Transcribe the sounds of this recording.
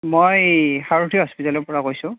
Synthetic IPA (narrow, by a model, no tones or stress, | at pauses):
mojxaɹutʰiɦɔspitalɔɹpɔɹakojsʊ̃